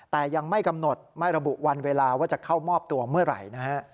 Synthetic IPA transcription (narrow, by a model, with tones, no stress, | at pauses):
t̪ɛː˨˩ja˧ŋma˥˩jka˧mno˨˩t̪̚ma˥˩jɾa˧bu˨˩ʔwa˧nweː˧laː˧waː˥˩t͡ɕa˨˩kʰa˥˩wmɔː˥˩p̚t̪u˧ɐmɯ˥˩ɐɾa̰˨˩jna˦˥kʰa˦˥ʔ